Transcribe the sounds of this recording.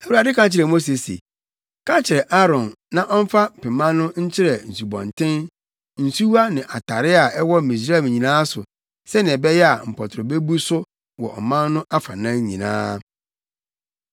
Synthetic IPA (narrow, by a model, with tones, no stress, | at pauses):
æ˨wu˨a˨dɪ˦kã˦t͡ɕʰɪ˨ɾɛ˨mo˦s̬e˨sḛ˨ | kʰã˦t͡ɕʰɪ˨ɾɛ˨ʔa˦ɾɔ̃˨n | nã˦ʔɔ˦m̩˦fa˦˨pɛ˨mã˦nʊ̃˦ɲ̩˦t͡ɕʰɪ˦ɾɛ˨n̩˨su˨bɔ̰̃˨n˨tʰɪ̃˦n | n̩˨su˦a˦nɪ̃˨ʔa˨tʰa˨ɾɪ˦a˨ɛ˦wɔ˦˨mĩ˨s̬ɾm˨ɲĩ˨nãː˦sʊ˨ | sɛ˦nɪ̃˨ɛ˨bɛ˦jɛ˦a̰˨m̩˨pʰɔ˨tʰɾɔ˨be˦bu˦sʊ˦ | wɔ̰˨ʔɔ̰˨mã˦nː˦ʊ̃˦ʔa˦fa˨nã˦ɲḭ̃˨nã̰ː˦